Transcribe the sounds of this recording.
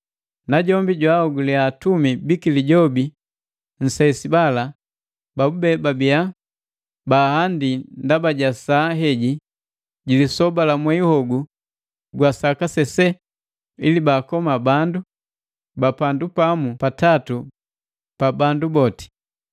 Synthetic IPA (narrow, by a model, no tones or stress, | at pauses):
naɟɔmbiɟwaɔɡuliatumibikiliɟɔbi | n̩saisibala | babubɛbabija | bahandindabaɟasaːɦɛɟi | ɟilisɔbalamwɛihɔɡu | ɡwasakasɛsɛ | ilibaːkɔmabandu | bapandupamupatatu | pabandubɔti̥